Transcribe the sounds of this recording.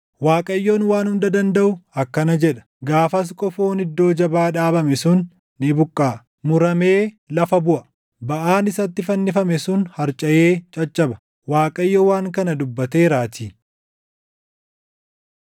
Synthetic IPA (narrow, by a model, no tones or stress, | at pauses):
waːkʼɐjːo̞ːnwaːnhʊnd̪ɐd̪ɐnd̪ɐʔʊɐkːɐnɐd͡ʒɛᶑɐ̥ | ɡaːfɐs̬kʼɔfo̞ːnɪd̪ːo̞ːd͡ʒɐbaːᶑaːbɐmɛsʊnː | ɪbʊkʼːaː | mʊɾɐme̞ː | lɐfɐbʊʔɐ | bɐʔaːnɪsɐt̪ːɪfɐnːɪfɐmɛsʊnhɐɾt͡ʃʼɐʔeːt͡ʃʼɐt͡ʃʼːɐbɐ̥ | waːkʼɐjːowaːŋkɐnɐd̪ʊbːɐt̪eːɾaːt̪iː